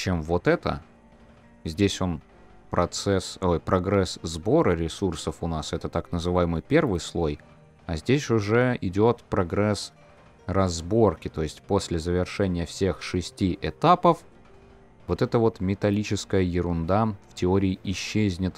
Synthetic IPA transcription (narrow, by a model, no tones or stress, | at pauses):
t͡ɕe̞mvo̞t̪ɛt̪ə̰ | zʲdʲesʲo̞n | pɾɐt̪sɛso̞jpɾɐɡɾɛszbo̞ɾəɾʲɪsursəfʊnasɛt̪ət̪aknəzɨvajɪmɨjpʲe̞rvɨjslˠo̞j | ɐzʲdʲesʲʊʐɛɪdʲo̞t̪pɾɐɡɾɛs | rɐzbo̞rkʲɪt̪o̞jɪsʲtʲpo̞sʲlʲɪzəvʲɪrʂɛnʲɪjəfsʲe̞xʂɨsʲtʲiʔɪt̪apəf | vo̞t̪ɛt̪əvo̞t̪mʲɪt̪ɐlʲit͡ɕɪskəjəjɪɾʊnd̪aftʲɪo̞ɾʲɪːʔɪɕːezʲnʲɪt̪